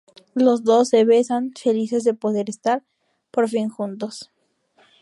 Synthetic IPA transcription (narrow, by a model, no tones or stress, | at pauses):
lo̞zðo̞sːe̞βesanfe̞lise̞zðe̞po̞ðe̞ɾest̪aɾ | po̞ɾfinxunt̪o̞s